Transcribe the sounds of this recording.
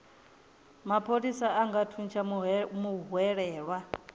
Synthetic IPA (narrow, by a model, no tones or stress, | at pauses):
mapʰoɺisaaŋɡatʰunt͡ʃʰamuɦuɛɺɛːɺwa